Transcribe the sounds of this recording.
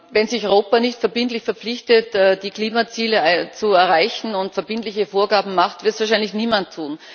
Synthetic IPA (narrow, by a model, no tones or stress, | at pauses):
vɛnzɪçɔʁoːpanɪçtfɛɐbɪntlɪçfɛɐpp͡flɪçtətɛːd̥iːkliːmat͡siːlət͡suɛɐʁaɪçn̩ʊntfɛɐbɪntlɪçəfoːɐɡaːbm̩maχtvɪɐtsv̥aːɐʃæɪnlɪçniːmantʰːuːn